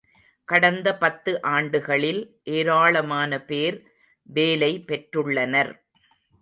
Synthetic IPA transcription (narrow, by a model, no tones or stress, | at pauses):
kɐɽɐnd̪ɐpɐt̪ːɯʔaːɳɖɯɣɐɭɪlʔeːɾaːɭɐmaːnɐpeːɾ | ʋeːlɐɪpɛʈɾɯɭːɐnɐɾ